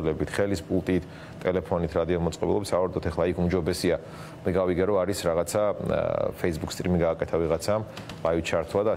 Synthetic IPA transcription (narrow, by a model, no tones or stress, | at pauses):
lɛbit̪ʰχɛlispʼulˠt̪ʼit̪ʰ | t̪ʼɛlɛpʰɔnit̪ʰɾad̪iɔlmɔt̪sʼqʼɔbɛ̰lˠɔbisavaɾud̪ʰɔt̪ʰɛχlˠaikʰumd͡ʒɔbɛsia | mɛɡaviɡɛɾɔaɾisɾaʁat̪sʰa | fʰɛisbukst̪ʼɾimiɡaːkʼɛt̪ʰaviʁat̪sʰam | bait͡ʃʰaɾt̪ʰwad̪a